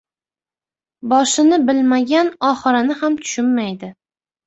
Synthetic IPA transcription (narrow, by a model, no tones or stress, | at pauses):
bɒʃɪnɪbɪlmaɡʲanɒχɨɾanɪhamt̪ʰʊ̥ʃʊnːajd̪ɪ